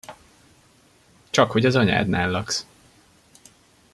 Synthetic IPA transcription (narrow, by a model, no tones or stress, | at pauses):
t͡ʃɒkho̞ɟɒzɒɲa̰ːd̪naːlːɒks